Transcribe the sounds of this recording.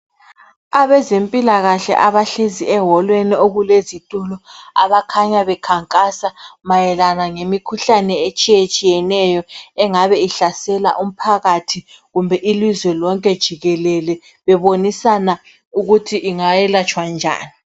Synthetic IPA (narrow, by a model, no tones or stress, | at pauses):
aβɛzempʼilaɣaɬɛ̰ʔaβaɬeziɛɦɔlwenioɣulezitʼulɔaβakʰaɲaβɛkʰaŋkʼasamajɛlanaŋemikʰuɬanɛet͡ʃʼijet͡ʃʼijɛnɛjɔɛŋaβɛiɬasɛla̰ʔum̩pʰaɣatʰiɣumbʱɛʔilizwɛlɔŋkʼɛd̥ʒ̥ʱiɣɛlɛlɛ | βɛβonisana | uɣutʰiʔiŋajɛlat͡ʃʼwand͡ʒʱa̰ːni